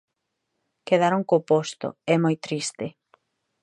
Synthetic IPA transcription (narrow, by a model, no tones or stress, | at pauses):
keðaɾoŋkopost̪o̰ɛmojt̪ɾist̪e